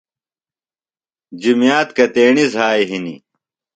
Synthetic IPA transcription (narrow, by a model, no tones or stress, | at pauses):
d͡ʑimjaːt̪kɐt̪eːɳizɦaːiɦinḭ